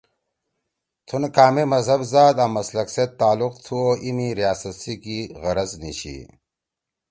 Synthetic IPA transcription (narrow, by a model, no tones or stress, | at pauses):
t̪ʰunkaːmemɐzɦɐbzaːd̪amɐslɐkset̪ːaːluqt̪ʰuoimiɾijaːsɐt̪sikiɣɐɾɐzniɕḭ